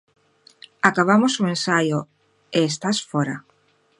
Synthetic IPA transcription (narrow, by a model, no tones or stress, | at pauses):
akaβ̞amosuẽnsajo | eːst̪asfoɾa